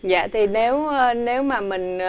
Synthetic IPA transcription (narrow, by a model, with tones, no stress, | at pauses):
za̰ː˧˨t̪ʰi˨˩ne˨˦wə˧ne˨˦wmaː˨˩mï˨˩ŋ̟